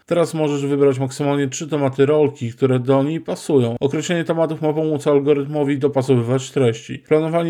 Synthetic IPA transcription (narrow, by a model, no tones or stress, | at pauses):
t̪ɛɾasmɔʐɛʐvɘbɾat͡ɕmaksɘmalɲɛtʂɘt̪ɛmat̪ɘɾɔlkʲikt̪uɾɛd̪ɔɲejpasujɔ̃w̃ɔkɾɛɕlɛɲɛt̪ɛmat̪ufmapɔmut̪salɡɔɾɘt̪mɔvʲid̪ɔpasɔvɘvat͡ɕt̪ɾɛɕt͡ɕḭplanɔvaɲ